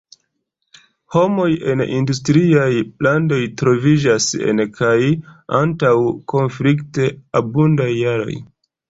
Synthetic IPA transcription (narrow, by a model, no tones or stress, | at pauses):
ho̞mo̞je̞̰nindustɾiajlando̞jtɾo̞vid͡ʒase̞̰nkʰajantawkʰo̞nflikte̞abundajːaɾo̞̰j